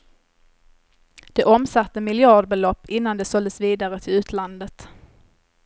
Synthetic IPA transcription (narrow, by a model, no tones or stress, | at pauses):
d̪̥ɛʔɔmsat̪ːəmɪljɑːɖbɛlɔpːɪnːand̪ɛsɔld̪əsviːd̪aɾət̪ʰɪlʉ̟ːt̪ʰland̪ət̪